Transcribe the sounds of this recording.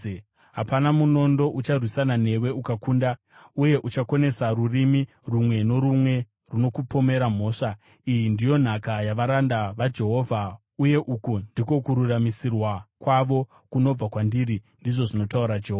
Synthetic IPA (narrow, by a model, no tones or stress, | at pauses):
ɦapanamuno̞ndo̞ʔut͡ʃarwisanane̞we̞ukakunda | uje̞ʔut͡ʃakone̞saɾurimi | rumwe̞no̞ɾumwe̞ | runo̞kupo̞me̞ɾam̤o̞ːʂa | ijindijo̞n̤akajaʋaɾandaʋad͡ʒe̞ɦo̞vʱa | uje̞ʔukundiko̞kuɾuramisirwakwaʋo̞ | kuno̞b͡vakwandiɾi | ndiʐo̞ʐino̞tauɾad͡ʒeɦoːva